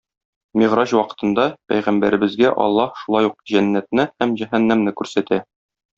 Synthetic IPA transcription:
miʁɾɑɕwɒqɤ̥̆t̪ɤ̆nd̪ɑpæ̰jʁæmbæɾɘ̆bɘ̆zɡæʔɒ̰lˠːɑhʃulˠɑjuq̚ʑænːæt̪̚nɘhæmʑæɦænːæmnɘkʉɾsæt̪æ

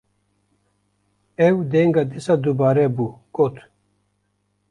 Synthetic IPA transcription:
ewd̪eːŋɡad̪isɐd̪ubaːɾebukot̪ʰ

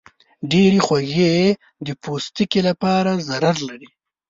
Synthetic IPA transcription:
ɖeɾixwaɣee | d̪əpost̪ikelapɑɾazaɾaɾlaɾi

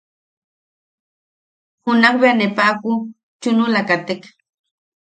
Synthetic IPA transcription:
hʊnɑχbeanɪpaːkʊ | t͡ʃʊnʊlakat̪ɪk

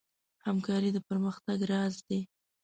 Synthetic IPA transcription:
hamkɑɾid̪əpəɾməxt̪aɡɾɑzd̪e

